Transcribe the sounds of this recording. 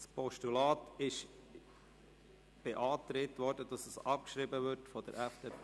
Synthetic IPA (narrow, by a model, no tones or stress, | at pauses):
spɔʃtulɑːtɪʃ | b̥eʔɑːt̪ɾetʋɔɾd̥ədɑsəsɑp̚kʃɾibəvʏtfɔd̥ə̰ɾʔɛfd̥eːp